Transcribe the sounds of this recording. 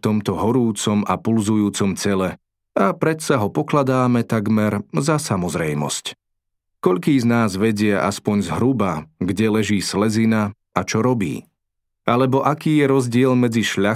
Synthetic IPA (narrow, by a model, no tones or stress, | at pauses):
t̪ɔmt̪ɔɦɔɾuːt͡sɔmapulzujuːt͡sɔmt͡sɛlɛ | apɾɛt̪saɦɔpɔklad̪aːmɛt̪aɡmɛɾzasamɔzɾɛjmɔ̰sc | kɔʎkiːznaːzʋɛɟɪaʔa̰spɔɲzɦɾubaɡɟɛlɛʒiːslɛzina | at͡ʃɔɾɔbḭː | alɛbɔʔakiːjɛɾɔzɟɪɛlmɛd͡ziʃʎa